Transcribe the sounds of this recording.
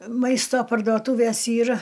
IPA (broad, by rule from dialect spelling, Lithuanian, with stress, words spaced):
ˈmɐɪstoː pɐrdoːˈtuːʋʲeːs ˈiːr